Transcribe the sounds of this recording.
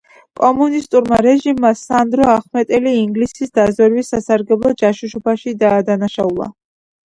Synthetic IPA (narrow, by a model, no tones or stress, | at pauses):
kʼɔmunist̪ʼuɾmaɾɛʒimːasand̪ɾɔaχmɛt̪ʼɛliːŋɡlisisd̪azwɛɾwisːasaɾɡɛblˠɔd͡ʒaʃuʃɔbʰaʃid̪aːd̪anaʃaulˠa̰